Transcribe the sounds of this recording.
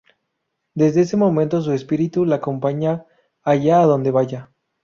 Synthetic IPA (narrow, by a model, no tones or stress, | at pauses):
d̪e̞zðe̞ese̞mõ̞mẽnt̪o̞s̬ue̞spiɾit̪ulaːko̞mpaɲaː | ʝaːðo̞nd̪e̞βaʝa